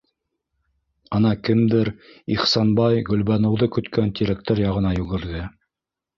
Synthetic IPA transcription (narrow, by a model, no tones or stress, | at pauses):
ɤnɑkɘmd̪ɘɾiχsɑnbɑjɡɵ̆lβɑnɤ̆wðɤkɵ̆t̪kænt̪ʲiɾækt̪ɘɾjɑʁɤ̆nɑjʉɡɘ̆ɾðɘ